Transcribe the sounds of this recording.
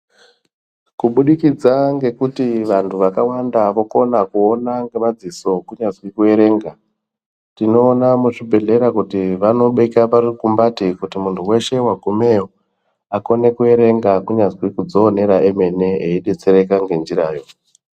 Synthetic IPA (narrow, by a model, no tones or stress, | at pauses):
kuɓuɗikid͡zaŋɡe̞kutiʋantʰuʋakawandaʋo̞ko̞nakuonaŋɡe̞mad͡ziso̞kuɲazwikue̞ɾe̞ːŋɡa | tino̞ːnamuʂibʱe̞ɮe̞ɾakutiʋano̞ɓeikaparukumbatikutimuntʰuwe̞ʃe̞waɡʱumejo | ako̞ne̞kue̞ɾe̞ŋɡakuɲazwikud͡zo̞ːne̞ɾaeme̞ne̞eiɗe̞t͡se̞ɾe̞kaŋɡe̞nd͡ʒiraːjo̞